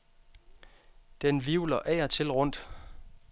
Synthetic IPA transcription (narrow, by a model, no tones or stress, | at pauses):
d̥enʋiʊlɐʔɛ̰ɐt͡sʰe̝lʁɔ̽n̰d̥